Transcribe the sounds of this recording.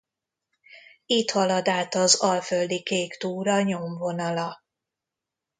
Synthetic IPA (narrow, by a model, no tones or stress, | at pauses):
it̪hɒlɒd̪aːt̪ɒzɒlføld̪ikeːkt̪uːɾɒɲo̞mvo̞nɒlɒ